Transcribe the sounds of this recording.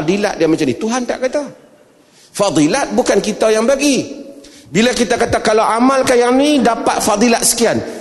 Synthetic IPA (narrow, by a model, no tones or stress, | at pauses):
d̪ilaʔ̪̚dijamat͡ʃamnit̪uɦant̪aʔkat̪a | fɑd̪ˤilat̪̚bukankit̪ajaŋbaɡi | bilakit̪akat̪akalawʔamalkahjaŋnidapat̪̚fɑd̪ˤilat̪̚sə̥kian